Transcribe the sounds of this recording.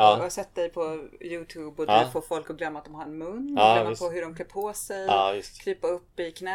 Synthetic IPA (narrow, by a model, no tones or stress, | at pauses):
asɛt̪ːd̪ɛjpʰɔjʉːt̪ʰʉːbɔd̪foːfɔlkɔɡlœmːat̪d̪ɔmɦaɾɛnmɵnːaspʰɔɦɵɖɔmkʰlɛpːʰoːsɛjɪst̪kʰɾiːpaɵpːɪkʰnɛ